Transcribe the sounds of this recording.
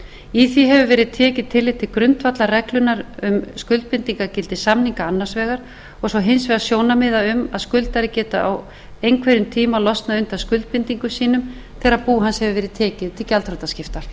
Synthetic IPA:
iθiɦɛvʏvɛːɾɪðt̪ʰɛːcɪðt̪ʰɪlɪt̪ʰɪlkɾʏnt̪vat̪larɛklʏnaɾʏmskʏlt̪̚pɪnt̪iŋkacɪlt̪ɪsamniŋkaanːaɾ̥svɛːɣaɾ̥ | ɔɣsɔɦɪnsvɛðasjoːwnamɪðaʏmaðskʏlt̪aɾɪcɛːt̪aʔaw | ejnkʰvɛɾʏmt̪ʰiːmalɔst̪naðʏnt̪askʏlt̪̚pɪnt̪iŋkʏsiːnʏm | θɛːɾaðpuːɦanshɛvʏvɛːɾɪðt̪ʰɛːcɪðt̪ʰɪlcalt̪ɾɔt̪ascɪft̪ḁ

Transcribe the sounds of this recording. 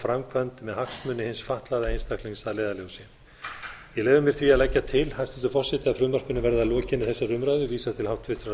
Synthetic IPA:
fɾamkʰvant̪mɛðhaksmʏːnːɪhɪnsfaht̪laðaejnst̪akliŋsaðleːjðaloɣʏsɛ | jɛɣlɛːjvʏmjɛɾ̥θviaðlɛcːat̪ʰɪlhanst̪ɪt̪ʏfɔrsɛt̪ɪaðfɾʏmar̥pʏnːʏvɛɾðalɔːcɪnɪθɛsːarʏmɾaɣðʏviːsat̪ʰɪlhawht̪vɪt̪ɾa

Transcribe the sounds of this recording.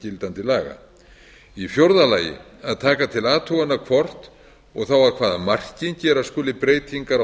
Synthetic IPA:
cɪlt̪ant̪ɪlaːɣa̰ | ifjowɾðalaːjɪ̰ | aðt̪ʰaːkat̪ʰɪlaːt̪ʰuwɣanːakʰvɔr̥t̪ | ɔɣθawaðkʰvaːðamar̥cɪncɛːɾaðskʏːlɪpɾeːjt̪ʰiŋkaɾ

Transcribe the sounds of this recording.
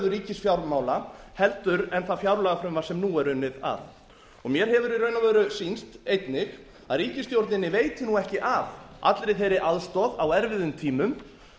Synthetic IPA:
ðʏɾiːcɪsfjawɾmaːwlahɛlt̪ʏɾɛnθafjawɾlaɣafɾʏmvasɛmnuɛɾʏnːɪða̰ð | ɔɣmjɛɾ̥ɦɛvʏɾiɾœɥnavɛːɾʏsinst̪ejt̪nɪɣ | aðɾiːcɪst̪jowɾt̪nɪnːɪveːjt̪ɪnuɣɛhcɪʔavʔa̰t̪lɾɪθejɾɪʔaðst̪ɔðawɛɾvɪðʏmt̪ʰiːmʏm

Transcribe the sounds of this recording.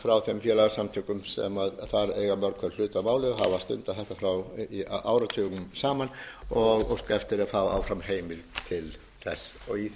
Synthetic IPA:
fɾawθɛmfjɛːlaɣasamt̪ʰʏkʏmsɛ̰maðθaɾejɣamœɾkʰœɾlʏːt̪amaːwlɪɦa̰vast̪ʏ̰nt̪aθɛht̪afɾawiʔaːwɾat̪ʰʏːɣʏmsaːmanɔɣɔ̰skɛft̪ɪɾaðfaːva̰wfɾamɦeːjmɪlt̪ʰɪl | θɛsːɔɣi

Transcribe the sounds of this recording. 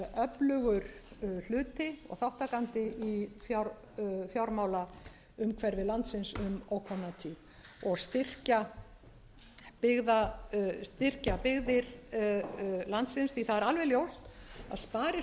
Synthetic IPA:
œplʏɣʏɾl̥ʏːt̪ɪɔ̰ɣθawht̪akant̪ɪifjaɾ | fjawɾmaːwla | ʏmkʰvɛɾvɪlant̪sɪnsʏmowkʰɔnːat̪ʰið | ɔɣst̪ɪr̥ca | pɪɣðast̪ɪr̥capɪɣðɪɾ | lant̪sɪnsθiθaðɛɾalvɛljowst̪a̰ðspaːɾɪ

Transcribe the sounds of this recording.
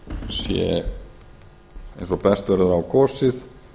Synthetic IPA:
sjɛ̰ | ejnsɔpɛst̪œɾðʏɾawkʰɔːsɪð

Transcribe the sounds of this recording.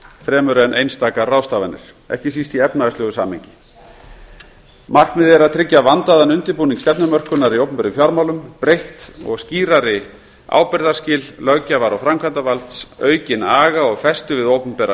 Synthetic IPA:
fɾɛːmœɾɛɛnʔejnst̪aːkaraːwst̪aːvanːɪ̰ɾ̥ | ɛ̰hcɪs̬ist̪iɛpnaɛslʏɣʏsa̰ːmhejɲcɪ̥ | mar̥knmɪðɛɾaðt̪ʰɾɪcːavant̪aðanʏnt̪ɪɾpuːniŋkst̪ɛpnʏmœr̥kʏnaɾiowpʏmpɛːɾʏfjaɾmawlʏmpɾejht̪ɔ̰ɣsciːɾaɾɪ | a̰ːwpɪɾðaɾ̥scɪːllœɣcavaɾawfɾamkʰvant̪avalt̪sœːɥcɪnaːɣaɔɣfɛst̪ʏvɪðowpʏmpɛːɾa

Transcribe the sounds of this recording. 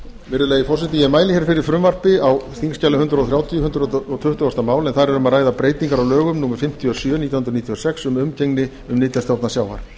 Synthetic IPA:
vɪɾðʏleːjɪfɔr̥sɛt̪ɪjɛmaːjlɪçɛɾfɪɾɪɾ̥fɾʏmvar̥pɪawsθiŋscalʏhʏnt̪ɾaɔθɾjaːwt̪ʰjʏhʏnt̪ɾɔt̪ʰʏht̪ʏɔst̪amaːwlɛnθaɾɛɾʏmaðraːjðapɾeːjt̪iŋkaɾawlœːɣʏmnuːmɪɾ̥fɪm̥t̪ʰjɔsjœːniːawhnɾniːt̪ʰjɔsɛksʏmʏmcejŋnɪ | ʏmniːt̪ast̪jowtnasjaːwva̰ɾ̥

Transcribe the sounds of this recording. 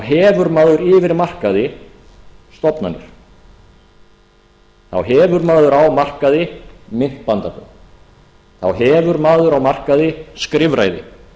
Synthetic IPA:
awɦɛːvʏɾmaːðʏɾɪːvɪɾmar̥kaðɪ | st̪ɔpna̰nːʏ̰ɾ̥ | θa̰wɦɛːvʏɾmaːðʏɾawmar̥kaðɪmɪn̥t̪pant̪apʏ̰ | θa̰wɦɛːvʏɾmaːðʏɾawmar̥kaðɪskɾɪvɾa̰ːjðɪ̰

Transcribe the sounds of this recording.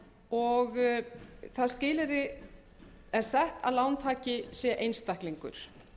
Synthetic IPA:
ɔɣ | θaðscɪːlɪɾɪ | ɛɾ̥sɛht̪ʰa̰ðlawnt̪ʰaːcɪsjɛʔejnst̪ahkliŋkʏ̰ɾ̥

